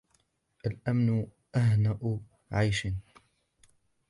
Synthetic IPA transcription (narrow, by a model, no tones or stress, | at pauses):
ʔalʔamnʊ | ʔaɦnaʔʊ | ʕajʃɪn